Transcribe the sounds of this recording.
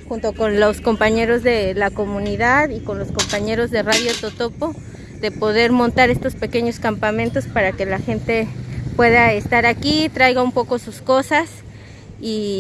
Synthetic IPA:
xunt̪o̞ko̞nlosko̞mpaɲe̞ɾo̞zðelako̞mũniðaðiko̞nloskompaɲe̞ɾo̞zðe̞raðjot̪ot̪opo | ðe̞po̞ðe̞ɾmõnt̪aɾe̞st̪o̞spe̞ke̞ɲo̞skampamẽnt̪o̞spaɾake̞laxe̞nt̪e̞pwe̞ðaest̪aɾakit̪ɾajɣaumpo̞kosusko̞sas | i

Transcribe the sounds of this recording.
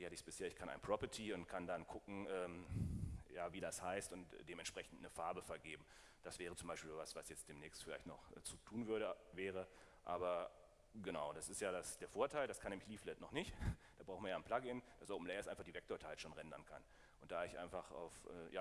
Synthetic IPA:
viːhatəɪçsb̥ɪsheːɐɪçkʰanʔa̰ɪnəpʁ̥ɔpɐtʰiːʊntkʰandankʰʊkŋ̩ɛːm | jaːviːdashaɪstʊntd̥eːmɛntʃpʁ̥ɛçn̩tnəfaɐbəfɛɐɡeːbm̩ | d̥asv̥ɛːʁət͡sʊmbaɪʃpilzvasv̥asjɛt͡std̥eːmnɛːçstfɪlaɪçtnɔχɛ̰ːt͡sutʰuːnvʏɐɾəvɛːʁ̞ə | ʔa̰ːbɐ | ɡ̥ənaʊd̥asɪstjaːdasd̥eːɐfoːɐtʰaɪldaskʰanɛːmlɪçliːflɛtnɔχnɪçtd̥aːbʁaʊxn̩viɐjaːnpl̥akɪnd̥asʔoʊp̩lɛɪɪstʔaɪnfaχd̥iːvɛk̚toɐtʰaɪtʃoːnʁɛndɐ̰nkʰan | ʔʊnt̚d̥aːɪçʔa̰ɪnfaχa̰ʊfʔɛ̰ːja̰ː

